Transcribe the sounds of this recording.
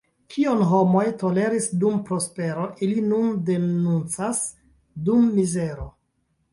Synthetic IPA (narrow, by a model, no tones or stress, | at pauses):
kʰionɦo̞mo̞jto̞le̞ɾisdumpɾo̞spe̞ɾoʔilinunde̞nunt͡sas | dumːizeɾo